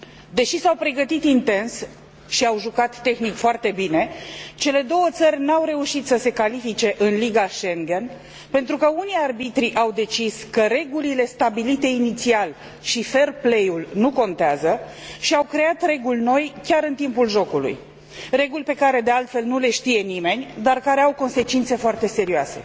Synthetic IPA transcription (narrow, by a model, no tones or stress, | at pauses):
d̪e̞ʃisawpɾe̞ɡət̪it̪int̪e̞ns | ʃiawʒukat̪ːe̞xnikfoart̪e̞bine̞t͡ʃe̞le̞d̪o̞wət̪sərʲnawɾe̞uʃit̪səse̞kalifit͡ʃe̞ʔɨnliɡaʃe̞ŋɡe̞n | pe̞nt̪ɾukəunijarbit̪ɾiʔawd̪e̞t͡ʃiskəɾe̞ɡulile̞st̪abilit̪e̞init̪sial | ʃife̞rplejulnuko̞nt̪eazəʃiawkɾe̞at̪re̞ɡulʲno̞jkʲaɾɨnt̪impulʒo̞kulṵj | re̞ɡulʲpe̞kaɾe̞d̪e̞alt̪fe̞lnule̞ʃt̪ije̞nime̞nʲd̪arkaɾe̞awko̞nse̞t͡ʃint̪se̞foart̪e̞se̞ɾioase̞̰